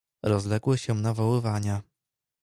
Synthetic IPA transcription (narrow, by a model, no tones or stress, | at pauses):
ɾɔzlɛɡwɘɕɛnavawɘvaɲa